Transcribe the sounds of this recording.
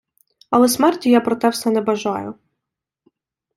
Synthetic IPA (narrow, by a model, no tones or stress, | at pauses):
ɐlˠɛsmɛrtʲijapɾɔt̪ɛwsɛnɛbɐʒɑjʊ